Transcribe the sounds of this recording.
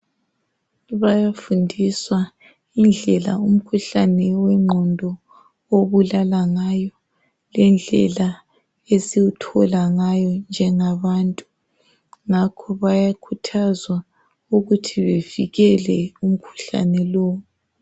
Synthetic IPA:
βajafundʱiswa | ind͡ɮʱɛla̰um̩kʰuɬanɛwɛŋ͡ǃʱɔndʱɔ | oβulalaŋajɔ | lɛnd͡ɮʱɛ̰la | esiwutʰɔlaŋajɔnd͡ʒʱɛŋaβantʼu | ŋakʰɔβajakʰutʰazwa | uɣutʰiβeviɣɛlɛum̩kʰu̥ɬa̰nɛlɔːu

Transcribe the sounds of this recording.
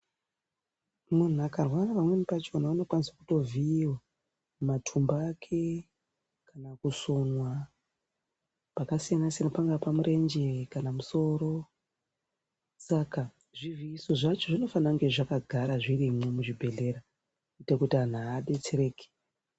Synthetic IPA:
mun̤uakarwaapamwe̞nipat͡ʃo̞nauno̞kwanisakuto̞viiwa | mmatʰumbaːkʰe̞ | kanakuso̞nwa | pakasijanasijanapaŋɡapamuɾʔe̞nd͡ʒekanamuso̞ːɾo̞ | saka | ʐiviiso̞ʐat͡ʃo̞ʐino̞fanaŋɡe̞ʐakaɡʱaɾaʐirimwo̞muʐibʱe̞ɮe̞ɾa | itakutian̤aːɗe̞t͡sere̞ːke̥

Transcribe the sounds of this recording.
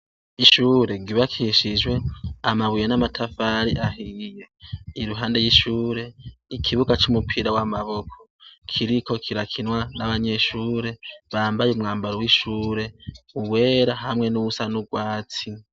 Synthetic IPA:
iʃuːɾe̞ɡiβakʰiʃid͡ʒwe̞amaβujenamatʰafaɾiʔaɦije̞iɾuɦaːnde̞jiʃuːɾe̞ikʰiβuɡat͡ʃumupʰiɾawamaβo̞kʰo̥kʰiɾikʰo̞kʰiɾakʰinwanaβaɲe̞ʃuːɾe̞βaːmbajumŋaːmbaɾowiʃuːɾe̞uwe̞ːɾaɦamŋe̞nuβusanuɡwaːt͡si

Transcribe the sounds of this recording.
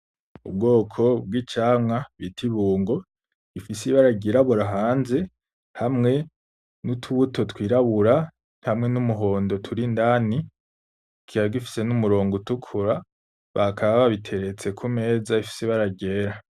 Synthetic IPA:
ṵbɡo̞ːkʰo̞b̚ɡit͡ʃaːmŋaβitʰiβuːŋɡo̞ | ifisiβaɾaɟeɾaβuɾaɦaːnze̞ | hamŋe̞ | nutʰuβuto̞twiːɾaβuɾa | hamŋe̞numuɦo̞ːndo̞tʰuɾindaːni | kʰiɾaɡifi̥se̞numuɾo̞ːŋɡutukʰuɾa | βakʰaβaβaβitʰe̞ɾe̞t͡se̞kʰume̞ːzaifi̥siβaɾaɟe̞ːɾa

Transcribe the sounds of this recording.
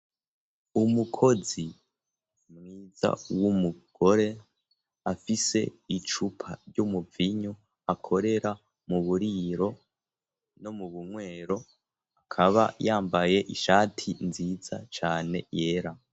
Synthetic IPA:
umukʰo̞zi | mŋiːza̰wumuɡ̥o̞ɾe̞ | afise̞̰it͡ʃupʰaɾɟumuviɲo | akʰo̞ɾe̞ɾa | muβuɾiɾo̞ | no̞muβumŋwe̞ːɾo̞ | akʰaβa̰jaːmbaje̞ʔiʃaːtʰinziz̥a̰t͡ʃaːne̞̰je̞ːɾa

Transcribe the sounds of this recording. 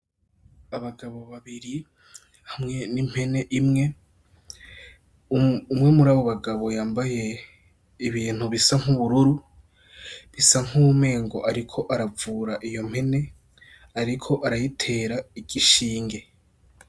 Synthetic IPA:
aβaɡaβo̞βaβiɾi | hamŋe̞nim̥he̞ne̞ʔimŋe̞ | umŋe̞muɾaːβoβaɡaβo̞jaːmbaje̞ | iβiːn̥uβisaŋ̥uβuɾuɾu | βisaŋ̥uβume̞ːŋɡo̞̰ʔaɾikʰo̞ʔaɾavuːɾaʔijo̞m̥he̞ne̞ | aɾikʰo̞ʔaɾajitʰe̞ːɾaiɡiʃiːŋɡe̞

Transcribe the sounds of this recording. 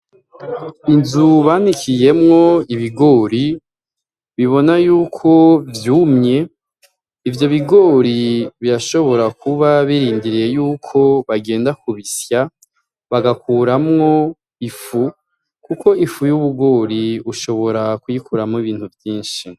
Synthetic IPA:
inzuβanikʰije̞mŋo̞iβiɡo̞ːɾi | βiβo̞najuːkʰo̞vjuːmɲe̞ | ivjo̞βiɡo̞ːɾiβiɾaʃo̞βo̞ɾakuβaβiɾiːndiɾijejuːkʰo̞βaɡe̞ːndakuβisja | βaɡakuːɾamŋo̞ | ifu | kuko̞ifujuβuɡo̞ːɾiuʃo̞βo̞ɾakujikuɾamiβiːn̥huvjiːnʃi

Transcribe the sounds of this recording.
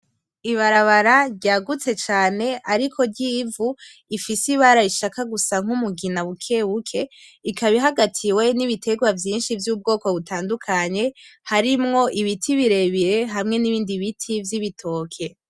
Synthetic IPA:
iβaɾaβaɾaɾɟaːɡut͡se̞t͡ʃaːne̞ʔaɾikʰo̞ɾɟiːvu | ifisiβaɾaiʃakaɡusaŋ̥umuɡinaβukʰe̞wukʰe̞ikaβiɦaɡatʰiwe̞niβitʰe̞ɡwavjiːnʃivjuːb̚ɡo̞ːko̞βutaːndukʰaɲe̞haɾimŋo̞ʔiβitʰiβiɾe̞βiɾe̞ɦamŋe̞niβiːndiβitʰivjiβitʰo̞ːkʰe̞

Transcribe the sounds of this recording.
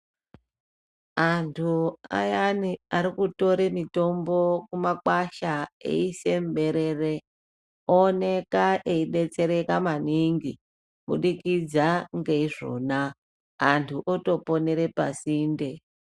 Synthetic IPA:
antʰua̰janiaɾikuto̞ɾemito̞mbo̞kumakwaʃaḛise̞mɓe̞ɾe̞re | oːne̞kaʔeiɗe̞t͡se̞ɾe̞kamaniŋɡi | ɓuɗikid͡zaŋɡeiʐo̞̰naː | ntʰuʔoto̞po̞ne̞ɾe̞pasiːnde

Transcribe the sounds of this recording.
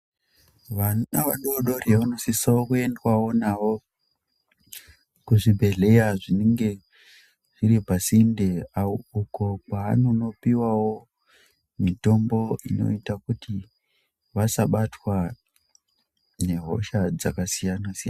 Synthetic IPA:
ʋaaʋaɗoɗo̞reʋano̞sisaokue̞ndwawo̞naʋo̞ | kuʐibʱe̞ɮe̞jaʐineŋɡe̞ | ʐiɾipasindeauko̞paːnono̞piwawo̞ | mito̞mbo̞ino̞̰itakuti | ʋasaɓatwa | ne̞ɦo̞̰ʃad͡zakasijanasijan

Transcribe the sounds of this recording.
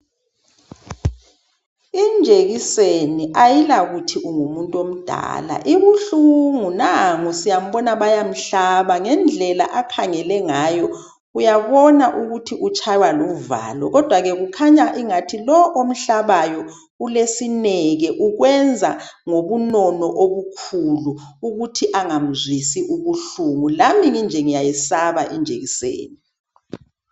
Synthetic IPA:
ind͡ʒʱeɣiseniʔajilaɣutʰiʔuŋumuntʼom̩d̥ʱa̰ːla̰ʔiβuɬuŋunaŋusijam̩ɓɔnaβajam̩ɬaβaŋɛnd͡ɮʱɛla̰ʔakʰaŋɛlɛŋajɔ | ɣujaβɔnaʔuɣutʰiʔut͡ʃʰʼajwaluva̰ːlɔ̰ɣɔd̥ʱwaɣɛɣukʰaɲaʔiŋatʰilɔʔom̩ɬaβajɔ | ulesinɛɣɛʔuɣwɛnd͡zʱaŋoβunɔnɔʔoβukʰulu | uɣutʰiʔaŋam̩zwisiʔuɣuɬuŋulamiŋind͡ʒʱɛŋijajisaβaʔind͡ʒʱeɣisḛːni

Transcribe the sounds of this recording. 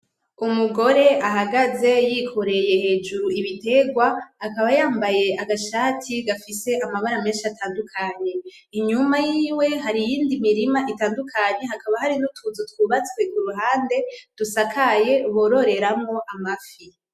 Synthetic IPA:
umuɡo̞ɾe̞ʔaɦaɡaze̞jikʰo̞ɾe̞je̞he̞ːd͡ʒuɾuiβite̞ɡwaːkaβajaːmbaje̞ʔaɡaʃaːtʰiɡafise̞ʔamaβaɾame̞ːnʃiatʰaːndukʰaɲe̞ | iɲumajiːwe̞ɦaɾijiːndimiɾimaʔitaːndukʰaɲe̞hakaβahaɾinutʰuzotkwuːβat͡skwe̞kuɾuɦaːnde̞d̥usakʰaje̞βo̞ɾo̞ɾe̞ɾamŋo̞ʔamafi

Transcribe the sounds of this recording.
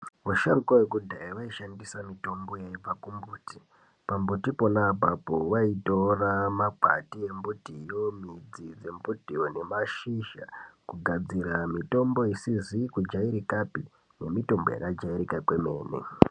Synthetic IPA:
ʋaʃarukwawekudʱaiʋaiʃandisamito̞mbo̞jaib͡vakumbuːti̥ | pambutipo̞labʱapoʋaitoramapa̰tie̞mbutijo̞mid͡zid͡ze̞mbutione̞maʃiʃa̰kuɡʱad͡ziɾamito̞mbo̞isizikud͡ʒaiɾikapi | ne̞mito̞mbo̰ja̰kad͡ʒaiɾikakwe̞me̞̰ːnḛ

